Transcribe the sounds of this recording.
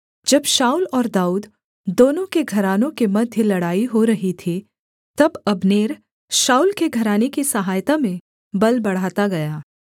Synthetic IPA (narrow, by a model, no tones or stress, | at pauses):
d͡ʒɐbʃaːulɔːɾd̪aːuːd̪ | d̪oːnõkeɡʱɐɾaːnõkemɐd̪ʱjəlɐɽaːiɦoɾɐɦit̪ʰi | t̪ɐbɐbneːɾ | ʃaːulkeɡʱɐɾaːnekisɐɦaːjt̪amẽ | bɐlbɐɽ̤aːt̪aɡɐjaː